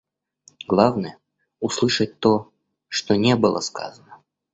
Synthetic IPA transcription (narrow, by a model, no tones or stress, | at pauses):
ɡlˠavnəjə | ʊslˠɨʂət̚ʲt̪o | ʂt̪onʲebɨlˠə̰ska̰zənə